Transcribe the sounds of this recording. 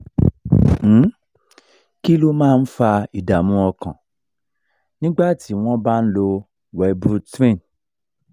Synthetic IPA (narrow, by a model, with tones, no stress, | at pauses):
ki˦lo˦mãː˦˧n̩˦fa˧i˨da˨mũ˦ɔ˧kã̰˨ | nĩ˦ɡ͡ba˦˨ti˨˦w̃ɔ̃˦ba˦n̩˦lo˧ | wɛ˨˧˦bu˦tɾẽ˦˨n